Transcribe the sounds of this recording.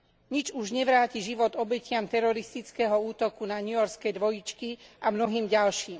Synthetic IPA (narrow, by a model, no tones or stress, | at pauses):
ɲid͡ʒuʒɲɛʋɾaːciʒiʋɔd̪ɔbɛcɪamt̪ɛɾɔɾist̪it͡skɛːɦɔuːt̪ɔkunaɲujɔɾskɛjd̪ʋɔjit͡ʃkiʔamnɔɦiːmɟalʃiːm